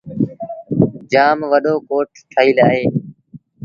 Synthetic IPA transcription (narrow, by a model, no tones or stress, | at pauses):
d͡ʒaːmʋəɗoːkoːʈʰt̪ʰəɦiːlaːɦeː